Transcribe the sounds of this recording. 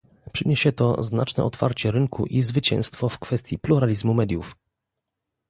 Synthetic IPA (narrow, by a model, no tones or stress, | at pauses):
pʂɘɲeɕɛt̪ɔ̰znat͡ʂnɛ̰ɔt̪fa̰ɾt͡ɕɛɾɘŋkʰṵʔizvɘt͡ɕɛ̰̃w̃st̪fɔfkfɛst̪ʲjipluɾalʲizmumɛd̪ʲjuf